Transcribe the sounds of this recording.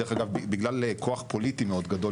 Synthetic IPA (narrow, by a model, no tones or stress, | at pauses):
eχaɡavbibiɡlalekʰo̞aχpo̞lit̪imeo̞d̪ɡad̪o̞